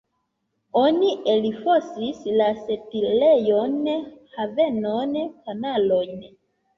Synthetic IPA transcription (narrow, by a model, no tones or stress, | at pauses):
onielifosislasetilejonhavenonkanalojn